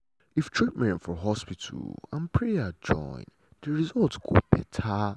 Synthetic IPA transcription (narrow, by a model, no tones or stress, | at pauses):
iftʰɹit̚mɛ̃nfɔɦɔspitʰə̰lã̰npʰɹɛad͡ʒɔ̰̃ɪ̃n | dəɹizɔltɡo̰bɛ̰tʰa